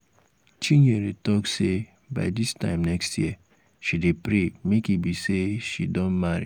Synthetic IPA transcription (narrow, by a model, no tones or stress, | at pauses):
t͡ʃiɲeɾetɔkse | ba̰ɪdistã̰ɪ̃mnɛkstʰjiə | ʃidepɾemekibiseʃḭdɔ̃nmaɾḭ